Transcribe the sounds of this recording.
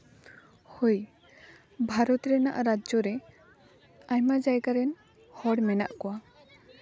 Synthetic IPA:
hoj | bʱaɾɔt̪ɾɛna̰ʔɾad͡ʒɔɾɛ | ajmad͡ʒajɡaɾɛn | hɔɽmɛna̰ʔkɔwa

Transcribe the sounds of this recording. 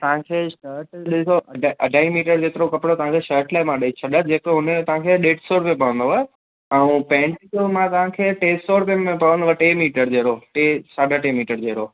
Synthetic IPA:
t̪ɐʋ̤ãkʰeːʃəːɾʈɗɪsoɐɖʱʔɐ̰ɖʱaːimiːʈəɾd͡ʑeːt̪ɪɾokɐpɽot̪ɐʋãkʰeːʃəːɾʈlaːɪmãɗəit͡ɕʰɐɗəd͡ʑeːkɦʊnət̪ɐʋ̤ãkʰeːɗeːʈsoːɽpẽpɐʋə̃nd̪oʋa | ɛũpɛ̃ːɳʈit̪omãt̪ɐʋ̤ãkʰeːʈeːssoːɽpẽẽpɐʋə̃nd̪oʋaʈeːmiːʈəɾd͡ʑeːɾoʈeːsaːɖʱaʈeːmiːʈəɾd͡ʑeɦɾoː

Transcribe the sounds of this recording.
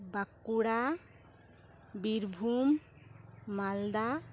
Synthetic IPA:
bakːuɽa | biɾbʱumː | ald̪a

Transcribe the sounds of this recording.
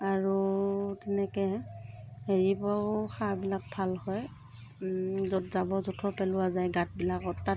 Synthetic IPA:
aɹutɛnɛkɛ | ɦeɹibɔxabilak̚bʱalhɔj | zɔtzabɔzutʰɔpɛlʊwazajɡat̚bilakɔtːa

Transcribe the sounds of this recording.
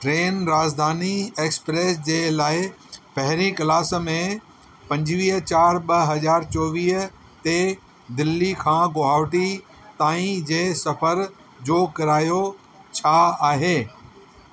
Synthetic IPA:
ʈɾeːnɾaːd͡ʑd̪ʱaːnieːkspɾeːsd͡ʑeːlaːɪpɐɦɪɾĩkɐlaːs̆mẽ | pɐ̃ɲd͡ʑʋiːɦt͡ɕaːɾɓɐɦɐzaːɾt͡ɕɔːʋiːɦ | t̪e | d̪ɪlːikʰãːɡoɦaːʋʈi | t̪aːĩd͡ʑeːsɐfəɾ | d͡ʑoːkɐɾaːjo | t͡ɕʰaaːɦeː

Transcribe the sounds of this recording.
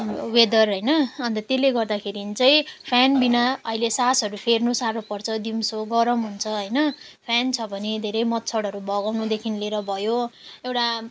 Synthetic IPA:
wed̪ʌrɦʌjnʌʌnt̪ʌt̪eleɡʌrd̪akʰeɾint͡sʌj̃pʰjanbinaʌɦilesasʌɾupʰernusaɾopʌrt͡sʰʌd̪imsoɡʌɾʌmɦunt͡sʰʌɦʌjnʌpʰjant͡sʰʌbʱʌned̪ʱeɾʌjmʌt̪̚t͡sʰʌɽʌɾubʱʌɡawnud̪ekʰinleɾʌbʱʌjoewʈa

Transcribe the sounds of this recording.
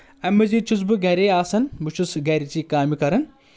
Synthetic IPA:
ɐmɐzit͡ʃʰusbɨɡɐɾeːaːsɐnmɨt͡ʃʰusɡɐɾit͡ʃiːkaːmikɐɾɐn

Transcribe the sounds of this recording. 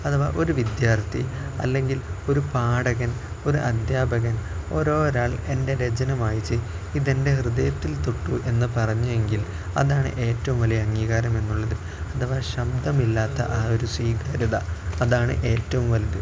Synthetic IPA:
ɐt̪ʰɐʋa̰ʔo̞ɾuʋid̪jaːrt̪ʰḭɐ̰lːe̞ŋɡilo̞ɾupaːɽɐɣɐn | o̞ɾuʔɐd̪jaːbʱɐɣɐno̞̰ːɾo̞ːɾaːɭe̞nde̞ɾed͡ʑɐnɐmaːjit͡ɕːɨ | iðe̞nde̞hrɨðɐjɐt̪ːilt̪uʈːuʔe̞nːɨpɐrɐɲːue̞ŋɡil | ɐ̰ðaːɳɨ̰ʔe̞ːtːɐʋumʋɐlijɐɐŋːiːɣaːɾɐme̞nːuɭːɐðɨ | ɐt̪ʰɐʋaɕɐb̚d̪ʱɐmilːaːt̪ːɐ̰ʔaːo̞ɾuswiːɡaːɾiðɐːðaːɳɨ̰ʔe̞ːtːɐʋumʋɐlɐðɨ

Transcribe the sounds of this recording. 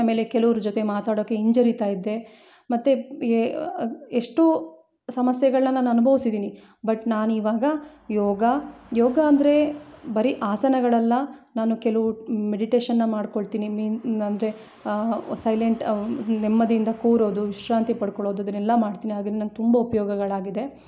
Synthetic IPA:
me̞ːle̞kɛlɐʋɐɾud͡ʒot̪e̞maːt̪aːɽoːkːe̞iɲd͡ʒɐɾit̪aːjid̪ːe̞ | mɐt̪ːe | eʂʈu | sɐmɐsjɐɡɐɭɐnɐnːaːnaɐnubʱɐʋisid̪iːni | bɐʈnaːnuiːʋaːɡɐjɔːɡɐjɔːɡɐːnd̪ɐɾe̞bɐɾiʔaːsɐnɐɡɐɭɐlːɐnaːnukelɐʋumeɽiʈeːʃɐnːɐmaːɽkoɭt̪iːnimiːnɐnd̪ɐɾe̞ | sɐjleɳʈnɛmːɐd̪iind̪ɐkoːɾoːd̪uʋiʃɾaːnt̪ipɐɽkɔɭo̞ːd̪uɐd̪ɐnɛlːɐmaːɽt̪iːniɦaːɡid̪enɐnɡet̪umbɐupɐjɔːɡɐɡɐɭaːɡid̪e̞

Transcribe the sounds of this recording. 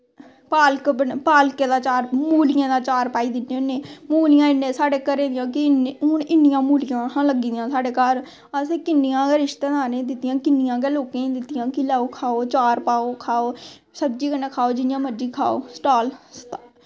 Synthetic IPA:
paːlkbənpaːlkeːd̪aːt͡ʃaːɾmuːlɪjãːd̪aːt͡ʃaːɾpaːiːd̪ɪnːẽːnːẽːmuːlɪjãːɪnːẽːsaːɖeːkəɾẽːd̪ɪjãːkɪnɦʊnɪnːɪjãːmuːlɪjãːãləɡĩːd̪jãːsaːɖeːkaːɾ | əseːkɪnːɪjãːɾɪʃt̪eːd̪aːnẽd̪ɪt̪ːɪjãːkɪnːɪjãːk̬ɛːloːkẽːĩd̪ɪt̪ːɪjãːkɪlaːoːkʰaːoːt͡ʃaːɾpaːoːkʰaːoː | səbd͡ʒiːkənːeːkʰaːoːd͡ʒɪnɪjãːməɖiːkʰa̰ːo̰ːsʈaːlstː

